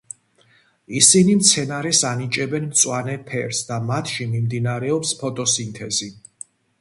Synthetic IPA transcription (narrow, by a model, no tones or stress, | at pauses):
isinimt̪sʰɛnaɾɛsanit͡ʃʼɛbɛnmt̪sʼwanɛpʰɛ̰ɾsd̪amat̪ʰʃimimd̪inaɾɛɔpspʰɔt̪ʼɔsint̪ʰɛzi